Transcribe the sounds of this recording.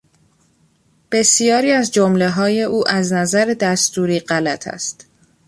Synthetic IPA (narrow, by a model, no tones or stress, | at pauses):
b̥e̞sijɒːɾiːæzd͡ʒomle̞ɦɒːje̞ʔuːʔæznæzæɾed̪æst̪uːɾiːɢælæt̪ʰæ̰st̪